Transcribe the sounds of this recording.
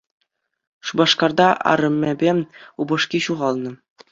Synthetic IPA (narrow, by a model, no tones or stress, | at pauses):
ʂubɑʂkɑrd̪ɑʔɑ̰ɾɤ̆mʲːebʲeubɤ̆ʂkʲiɕuʁɑlˠnɤ̆